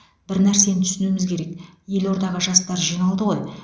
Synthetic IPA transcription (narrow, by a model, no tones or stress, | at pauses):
bɪɾnæɾse̞nt̪ʰʏ̥sɪnumɪzkʲʰe̞ɾe̞kje̞lo̞ɾd̪ɑʁəʒɑst̪ɑɾʒijnɑlˠd̪əʁo̞j